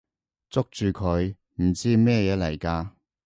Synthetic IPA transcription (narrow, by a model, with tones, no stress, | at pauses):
t͡sʊ˥k̚t͡ʃyː˨˧kʰɵ˨˧ɥ | m̩˨˩t͡siː˥mɛː˥˧jɛː˨˧˥lɐ˨˩jkaː˧